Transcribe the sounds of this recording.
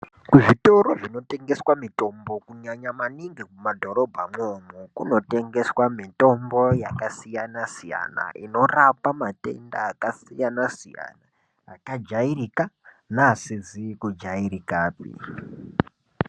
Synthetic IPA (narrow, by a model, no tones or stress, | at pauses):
kuʐito̞ɾo̞ʐino̞te̞ŋɡe̞swamito̞mbokuɲaɲamaniŋɡikumadʱo̞ɾo̞bʱamomukuno̞te̞ŋɡe̞swamito̞mbo̞jakasijanasija̰na̰ʔino̞rapamate̞̰ndaːkasijanasija̰naː | kad͡ʒairika | nasizikud͡ʒaiɾikaːpḭ